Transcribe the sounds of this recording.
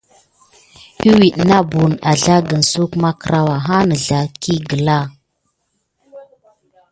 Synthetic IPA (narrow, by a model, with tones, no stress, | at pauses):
i˦wi˨ɗna˦bu˨na˨ɮa˦ɡə˨n˨su˦kma˦kə˨ɾa˦wa˨ɦa˦nə˨ɮa˨ki˦ɡə˨la˦